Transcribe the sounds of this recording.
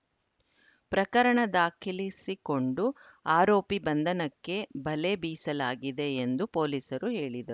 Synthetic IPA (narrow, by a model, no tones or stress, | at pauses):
pɾɐkɐɾɐɳɐd̪aːkʰilisiko̞ɳɖu | aːɾoːpibɐnd̪ʱɐnɐkːe̞bɐle̞biːsɐlaːɡid̪e̞ːnd̪upoːliːsɐɾuɦe̞ːɭid̪ɐɾu